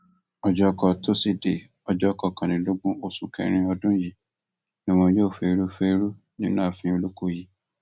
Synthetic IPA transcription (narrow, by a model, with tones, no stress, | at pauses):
ɔ˨d͡ʒɔ˦kɔ˧to˦si˦de˨ | ɔ˧d͡ʒɔ˦kɔ˧kã˨nĩ˨lo˦ɡũ˦o˨su˨˦kɛ̰˧˦ɾ̃ĩ˧ɔ˧dũ˦ji˨ | nĩ˧mɔ̃˧jo˦˨fe˨˦ɾu˦fe˦ɾu˦ | nĩ˦nã˦˨fĩ˧˦o˧lu˦ko˦ji˨˦